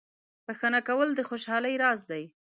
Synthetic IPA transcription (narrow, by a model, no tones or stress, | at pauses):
pəxənakawəld̪əxoʃɑləjɾɑzd̪aj